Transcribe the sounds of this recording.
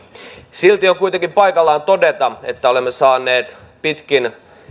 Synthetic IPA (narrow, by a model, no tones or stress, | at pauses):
silt̪ijokuit̪eŋkimpɑikɑlːɑːnt̪odet̪ɑet̪ːæolemːesɑːnːˑeːt̪ | pit̪kin